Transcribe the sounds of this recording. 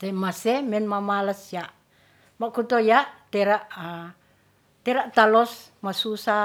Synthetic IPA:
t̪emasɛmɛnmamaləsjaʔ | makut̪ojat̪eɾaʔ | t̪ɛɾaʔt̪alɔs | masusa

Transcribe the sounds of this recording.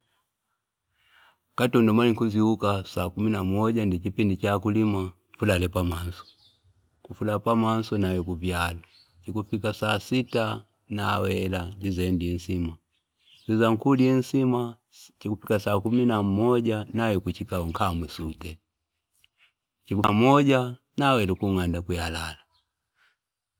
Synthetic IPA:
katɔndɔmaliŋkuziukasakuminamɔɟandikipindit͡ʃakulima | fulalɛpaman̩sɔ̥ | kufulapaman̩sɔnajɔkuvjala | t͡ʃikufikasaːsita | nawɛlaɲd͡ʒizɛndiɛn̩sima | zizaŋ̩kuliɛn̩sima | t͡ʃikupikasaːkuminammɔɟanajɔkut͡ʃikaɔŋ̩kamwɛsutɛ | t͡ʃikumɔɟa | nawɛlɛkuŋandakujalala

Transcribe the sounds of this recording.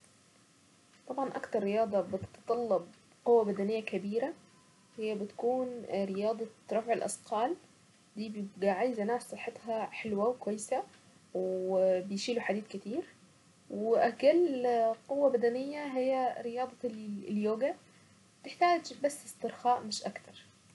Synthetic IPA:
t̪ˤɑbʕɑnʔɑkt̪ɑɾˤːɪjɑːd̪ˤɑbɪt̪t̪t̪ˤɑlːɑb̚ | qowːæbæd̪ænɪjːækæbiːɾæ | hɪjːæbɪt̪kuːnɾɪjɑːd̪ˤɑɾˤɑfʕɪlʔɑ̰sqɑːl | d̪iːbjɪbɡaʕaːjzʔænaːfsˤɑħːet̪hɑħelwæwekwæjːsæ | wbɪjʃiːluħad̪iːd̪kɪt̪iːɾ | wʔækælqʊwːabæd̪ænɪjːæɦɪjːæɾɪjɑːd̪ˤɑljoːɡæ | bɪt̪ɪħt̪aːd͡ʒbæsːɪst̪ɪɾxɑːʔmɪʃʔakt̪ɑɾˤ

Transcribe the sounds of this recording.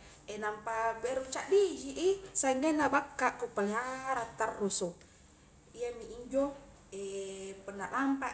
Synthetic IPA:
ʔenampabeɾut͡ʃaʔdiɦiʔisaŋɡenabakːaʔkupaleɦaɾat̪arːuso | iamiʔiɲd͡ʒo | epənːalampa

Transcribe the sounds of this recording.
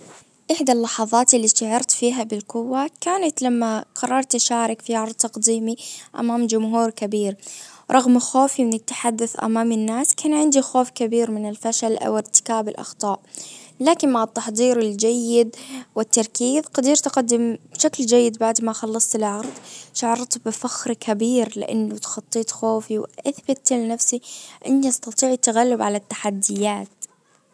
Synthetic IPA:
ʔɪħd̪alːɑħɑðˤɑːt̪ɪlːiʃt̪aʕɑɾˤt̪fiːɦabɪlqʊwːakaːnat̪lamːaqɑrˤːɑɾˤt̪ʃaːɾˤɪkfiʕɑɾˤd̪̚ˤt̪ɑqd̪iːmiʔa̰maːmd͡ʒʊmɦuːɾkabiːɾɾˤɑɣmxoːfimɪnɪt̪ːḁħad̪ːʊθʔa̰maːmɪnːaːskaːnʕɪnd̪ixoːfkabiːɾmɪnɪlfaʃalʔa̰wɪɾt̪ɪ̥kaːbɪlʔɑ̰xt̪ˤɑːʔlaːkɪnmaʕɪt̪ːɑħd̪ˤiːɾɪld͡ʒajːɪd̪wɪt̪ːɑɾˤkiːðqɑd̪iːɾt̪ɪqad̪ːɪmbʃakld͡ʒajːɪd̪baʕd̪maxɑlːɑsˤt̪ɪlʕɑɾˤd̪ˤʃaʕɑɾˤt̪ˤbɪfaxɾkʰabiːɾlɪ̰ʔa̰nːʊt̪xɑt̪ˤːiːt̪ˤxoːfiwʔaθbɪt̪lɪnafsiʔɪ̰nːiʔɑst̪ɑt̪ˤiːʕt̪ːaɣalːɪbʕalat̪ːḁħad̪ːɪjaːt̪

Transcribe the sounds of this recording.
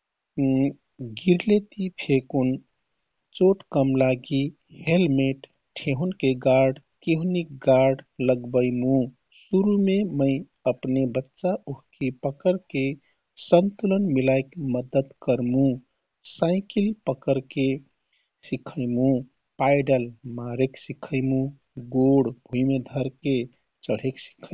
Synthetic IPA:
ɡiɾlet̪ipʰekun | t͡ʃoʈkəmlaɡi | helmeʈ | ʈʰeɦunkeɡaɾɖkiɦunik̚ɡaɾɖləɡbəɪmũ | suɾumeməɪ | əpnebətːʃaʔuɦkepəkəɾke | sənt̪ulənmilaɪkməd̪əd̪kəɾmũ | saɪkilpəkəɾke | sikʰəɪmũ | paɪɖəlmaɾeksikʰəɪmũ | ɡoɽbʱujmed̪ʱəɾke | t͡ʃəɽ̤eksi̥kʰə

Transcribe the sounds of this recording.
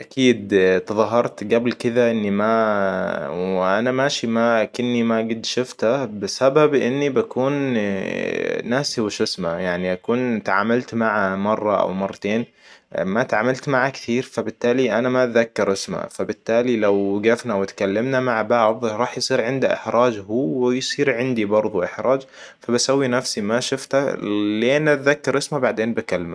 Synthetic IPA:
ʔakʰiːd̪t̪ɨðˤɑɦɑɾˤt̪ɡablkɪðaʔɪnːima | wɪʔanamaːʃimakɪnːimaɡɪd̪ʃʊft̪abɪsababʔɪnːibakuːn | aːsiwɪʃʊsmajaʕniʔakuːnt̪ʕaːmalt̪maʕamɑrˤːɑʔa̰wmɑrˤːɑt̪eːn | mat̪ʕaːmalt̪maʕakθiːɾfabɪt̪ːaːliʔanamaðakːɑɾˤʔɪsma̰fabɪt̪ːaːlilawɡafnawɪt̪kalːamnamaʕbɑʕðˤɾˤɑːħjsˤiːɾʕɪnd̪aʔɪ̰ħɾˤɑːd͡ʒhuːwɪjsˤiːɾʕɪnd̪ibɑɾˤðˤuʔɪħɾˤɑːd͡ʒ | fabasawːinafsimaʃʊft̪aleːnʔat̪ðakːɑɾˤʔɪsmabaʕd̪eːnbakalːɪma

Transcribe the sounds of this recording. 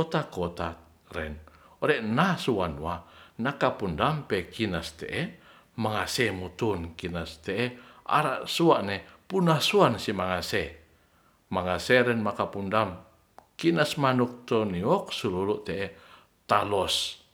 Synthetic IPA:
kɔt̪akot̪a | ɾɛ̰n | oɾɛʔnasuanwanakapundampɛkinast̪ɛʔɛ | maŋasemut̪unkinast̪ɛɛʔa̰ɾa̰ʔsuaʔnepunasuansimaŋase | maŋaseɾɛnmakapundam | kinasmanuk̚t̪oniɔk̚sululuʔt̪ɛʔɛ | t̪alɔs

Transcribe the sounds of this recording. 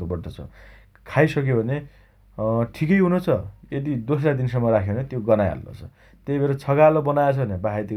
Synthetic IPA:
t̪obʌʈot͡sʰʌ̰ | kʰajsʌkjobʱʌne | ʈʰikʌjɦunot͡sʰʌed̪id̪os̬lad̪insʌmːʌɾakʰeounet̪joɡʌnaja̰lno̰t͡sʰʌ̰ | t̪ebeɾʌt͡sʰʌɡalobʌnajat͡sʰʌbʱʌnebaɦait̪i

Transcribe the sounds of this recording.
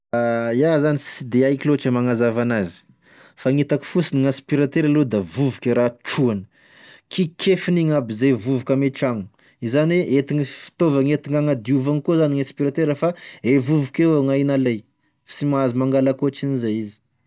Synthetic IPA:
ajazanisid̪eajkiloaʈ͡ʂəmaŋazavanazi̥ | faŋit̪aki̥fusiniŋãspiɾat̪eɾalud̪avuvukeɾaʈ͡ʂuanə̥ | kʰikʰefiniŋabizejvuvukameʈ͡ʂaŋu | izanweʔet̪iŋifi̥t̪ovaŋet̪iŋaŋad̪iuvaŋikozaniŋãspiɾat̪eɾəfaevuvukewaŋainalej | fḁsimazimaŋɡalakuoat͡ʃinizajizi̥

